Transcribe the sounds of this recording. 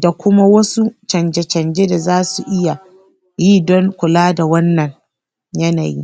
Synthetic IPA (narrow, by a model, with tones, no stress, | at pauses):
da˨kʷʊ˦ma˦wɐ˦su˦t͡ʃɐ˨nd͡ʒe˨t͡ʃɐ˨nd͡ʒe˦da˨zaː˦su˨ʔɪ˦ja˨ | jiː˦dɔ˦ŋkʷʊ˨laː˦da˨wɐ˦nːɐ˨ŋ | jɐ˦na̰˨jḭː˦